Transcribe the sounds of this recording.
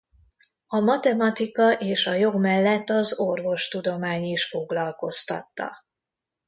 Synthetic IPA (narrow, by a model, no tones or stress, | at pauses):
ɒmɒt̪ɛmɒt̪ikɒʔeːʃɒjo̞ɡmɛlːɛt̪ːɒzorvo̞ʃt̪ud̪o̞maːɲiʃfo̞ɡlɒlko̞st̪ɒ̰t̪ːɒ̰